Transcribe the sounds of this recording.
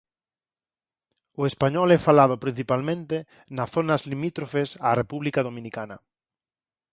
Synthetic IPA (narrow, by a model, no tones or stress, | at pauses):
oespaɲɔlɛfalaðopɾĩn̟θipalmẽnt̪e | naθonazlimit̪ɾofesarepuβlikaðomĩnikana